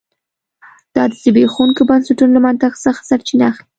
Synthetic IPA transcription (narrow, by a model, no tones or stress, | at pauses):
d̪̥ɑd̪əzəbexunkobansaʈunolamant̪axsəxḁsaɾt͡ʃinaːxli